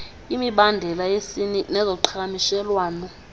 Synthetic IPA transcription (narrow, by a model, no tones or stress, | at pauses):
imiɓandʱɛlajesininɛzɔǃʰakamiʃɛlwaːnɔ